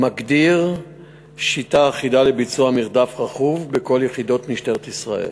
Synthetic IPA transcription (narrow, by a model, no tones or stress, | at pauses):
maɡdiʁ | ʃitaːχidalebit͡suamiʁd̪afʁaχuvbeko̞ljeχid̪o̞tmiʃteʁet̪isʁa̰ʔḛl